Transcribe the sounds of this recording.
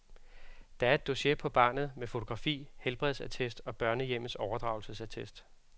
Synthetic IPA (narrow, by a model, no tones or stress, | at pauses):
d̥ɑ̈æɐe̝d̥o̝ɕe̝pʰɒ̽b̥ɑ̈ːnð̞̩ˠmefo̝t͡sʰo̝ɡ̥ʁɑ̈fḭːhelb̥ʁɛðˠsæt͡sʰesd̥ɒ̽b̥ɶɐnəjem̰̩sɒʊɐd̥ʁɑ̈ʊlsəsæt͡sʰesd̥